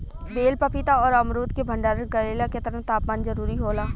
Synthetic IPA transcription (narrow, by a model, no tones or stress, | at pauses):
b̪eːlpɐpɪt̪aɔːɾɐmɾuːd̪kebʱə̃ɳɖaːɾənɡɐleːlaket̪ɐɾəɦt̪aːpmaːnzɐɾuːɾiɦoːlaː